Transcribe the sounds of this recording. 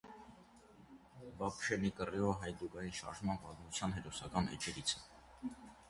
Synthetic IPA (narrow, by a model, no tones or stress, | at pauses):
bɑpʃɛnikəriɔɦɑjd̪uɡɑjinʃɑ̰ɾʒmɑnpɑt̪mut͡sʰjɑnɦɛɾɔsɑkɑnɛ̰t͡ʃɛɾit͡sʰə̥